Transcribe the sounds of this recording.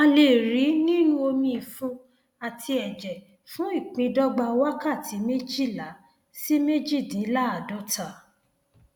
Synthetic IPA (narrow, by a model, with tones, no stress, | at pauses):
ã˧le˨ɾi˨˦nĩ˦nũ˦o˧mĩ˧i˨fu˧ | a˨tʰi˧ɛ˨d͡ʒɛ˨ | fũ˦i˦˨k͡pĩ˧dɔ˦ɡ͡ba˧wa˦ka˦˨tʰi˨˦me˦d͡ʒi˦˨la˨˦ | si˦me˦d͡ʒi˦˨dĩ˨˦la˦a˦˨dɔ˦tʰa˦˨